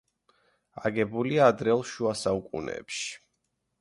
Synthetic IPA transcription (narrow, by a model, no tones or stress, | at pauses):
aɡɛbuliaːd̪ɾɛlˠʃuasaukʼṵnɛ̰ːpʃi̥